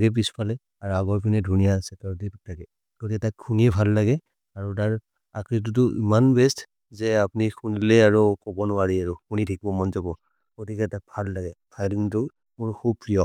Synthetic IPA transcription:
aɡɛp̬ispʰalɛ | aɹuaɡɔɹpʰinɛdʱunijasɛkaɹɔt̬itʰakɛ | ɡ̥otikɛtakkʰuniɛbʱalːaɡɛ | aɹut̬aɹ | akɹit̬ut̬ʊʔḭmanbɛst | zɛapunikʰunilɛaɹukɔbɔnʊaɹiaɹukunidʰʱik̚bɔmɔnzabɔ | ɡotikɛtak̚bʱalːaɡɛpʰajdiŋtʊ | mʊɹkʰubpɹijɔ

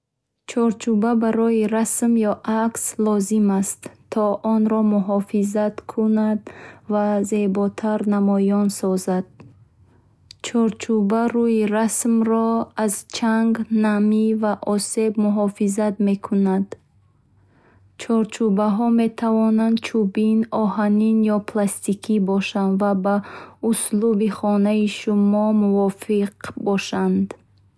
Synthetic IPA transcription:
t͡ʃʰɔɾt͡ʃʰubabaɾɔiɾasmjɔʔakslɔzimast̪ʰːɔʔɔnɾɔmuɦɔfizat̪kʰunad̪vazebɔt̪ʰaɾnamɔjɔnsɔzad̪̥̚ | t͡ʃʰɔɾt͡ʃʰubaɾujiɾasmɾɔazt͡ʃʰaŋɡnamivaʔɔse̞bmuɦɔfizat̪me̞kʰunad̪ | t͡ʃʰɔɾt͡ʃʰubaɦɔme̞t̪ʰavɔnand̪̚t͡ʃʰubinɔhaninjɔpʰlast̪ikʰibɔʃand̪vabauslubiχɔnaiʃumɔmuvɔfiqbɔʃand̪

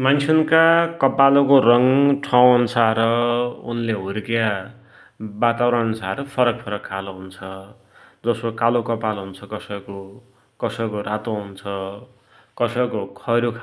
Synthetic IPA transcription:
mant͡sʰunkakʌpalokorʌŋʈʰaw̃nt͡sʰaɾʌṵnleɦuɾkja | bat̪awɾʌnsʰaɾʌpʰʌɾʌk̚pʰʌɾʌkʰːaloɦunt͡sʰʌ | d͡zʌsokalokʌpalɦunt͡sʰʌkʌsʌjko | kʌsʌjkorat̪oɦunt͡sʰʌ | kʌsʌjkokʰʌɾokʰ

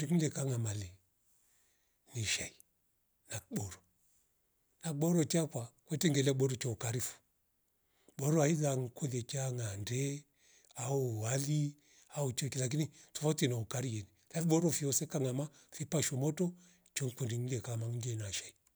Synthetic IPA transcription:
iŋidɛkaŋamali | niʃai | nakɓɔɾɔ | nakɓɔɾɔt͡ʃakwakwɛtɛŋɡɛlaɓɔɾɔt͡ʃɔukaɾifu̥ | ɓɔɾɔaiðaŋ̩kulɛt͡ʃaŋandɛ | auwali | aut͡ʃɔkilak̬initufɔtinaukaɾijɛnilafiɓɔɾɔfiɔsɛkaŋama | fipaʃɔmɔtɔ | t͡ʃɔŋkundiŋidɛkamaŋɡɛnaʃai

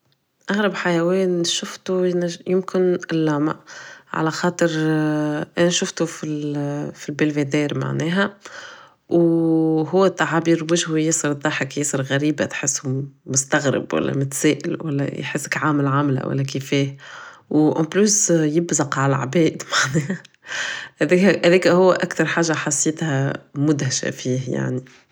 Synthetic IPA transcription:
ʔaɣɾɑbħajæwɛːnʃʊft̪unæjʊmkɪnʔɪlːɑːma̰ʕa̰læxɑːt̪ˤɨɾ | ʔænʃʊft̪ufilfilbɪlved̪ɛːɾma̰ʕnɛːɦæ | wɦʊːæt̪ːaʕabiːɾwɪʒhujɪsˤɨɾd̪ˤːɑħɪkjesˤɨɾɣæɾiːbat̪ħɪsːumʊst̪aɣɾɪ̰bwæ̰lːæ̰mʊt̪sæːʔɪ̰lwælːæ̰jħɪsːɪkʕaːmɪlʕamla̰wæ̰lːækifɛːhwʔɑ̃plysjɪbzɑqʕallʕbɛːʔd̪maʕnɛːhæ | hdɛhæðɛːkæhʊwːæʔakt̪ɑɾˤħaːʒːaħɑsˤːeːt̪hæmʊd̪haʃæ̰fiːhja̰ʕni

